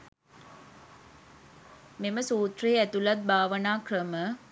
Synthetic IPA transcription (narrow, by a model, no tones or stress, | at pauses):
meməsuːt̪reːæt̪ulɐt̪̚baːʋɐnaːkrəmə